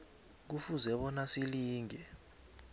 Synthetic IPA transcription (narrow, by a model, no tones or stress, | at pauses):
k̬ufuzɛɓɔnasiliːŋɛ